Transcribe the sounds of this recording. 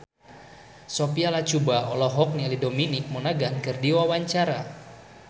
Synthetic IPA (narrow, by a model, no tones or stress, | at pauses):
sopialat͡ʃubaɔlɔɦɔk̚nialidominik̚mɔnaɡankɨrdiwawaɲt͡ʃaɾa